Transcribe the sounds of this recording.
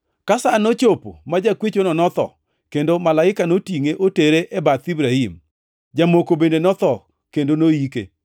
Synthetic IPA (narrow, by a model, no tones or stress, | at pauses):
kasanot͡ʃopomad͡ʒakwet͡ʃonɔnɔt̪ɔ̰ | kendomalaɪkanotiŋeʔoteɾeʔebat̪ibɾaim | d͡ʒamokobendenɔt̪ɔ | kendonoikḛ